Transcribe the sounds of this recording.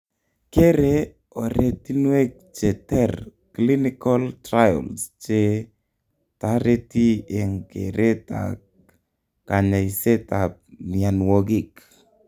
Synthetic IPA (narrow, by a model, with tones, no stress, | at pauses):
ke˦ɾe˦ | o˨ɾe˦ti˦nwe˦k̚t͡ʃe˨tɛ˦rkli˦nɪ˦kɔ˦ltɾa˦jɔ̰˨lst͡ʃe˦ | ta˦ɾe˦ti˦e˨ŋkḛ˨ɾʔe˦ta̰˨ | ka˨ɲa˨i˨se˦ta˨p̚mia˨nwo˦ɡi˦˨k